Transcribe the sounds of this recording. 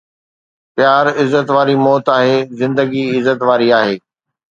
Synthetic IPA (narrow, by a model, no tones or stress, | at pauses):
pjaːɾɪzət̪ʋaːɾimɔːt̪aːɦeːzɪ̃nd̪əɡiɪzət̪ʋaːɾiaːɦeː